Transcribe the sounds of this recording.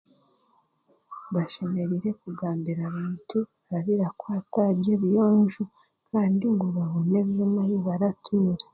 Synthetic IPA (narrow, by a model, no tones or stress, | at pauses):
βaʃe̞me̞ɾiɾe̞kuɡaːmbiɾaβiːntʰu | βaβiɾakwatabjeβijoːnɲʒu | kʰaːndiŋɡoβaβone̞zemajiβaɾatʰuːɾa